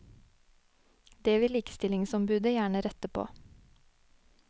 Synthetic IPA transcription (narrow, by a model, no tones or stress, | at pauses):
d̪eːʋɪliːkə̥st̪ɪlɪŋsɔmbʉːd̪əjæːɳəɾɛt̪əpʰo̰ː